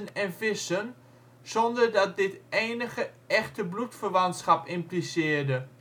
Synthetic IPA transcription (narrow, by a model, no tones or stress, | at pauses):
ənɛnfɪsən | z̥ɔndərdɑt̚dɪteːnəɣə | ɛχtəblutfərʋɑntsχɑpɪmplisɪːɹdə